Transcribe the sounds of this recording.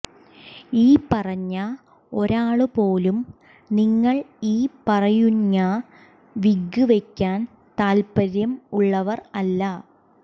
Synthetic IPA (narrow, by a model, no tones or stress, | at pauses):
iːpɐrɐɲːɐ | o̞ɾaːɭɨpoːlum | niŋːɐɭiːpɐrɐjuɲːa | ʋiɡːuʋe̞kʲːaːn | t̪aːlpɐɾjɐmuɭːɐʋɐrɐlːɐ